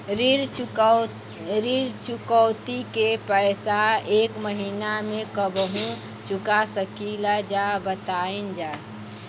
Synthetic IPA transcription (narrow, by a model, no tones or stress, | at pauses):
ɾiɾ | ɾiɾt͡ʃʊkəʊt̪ikepəjsaeːkməɦiːnamẽkəbəɦũ | t͡ʃʊkasəkilad͡ʒabət̪aind͡ʒa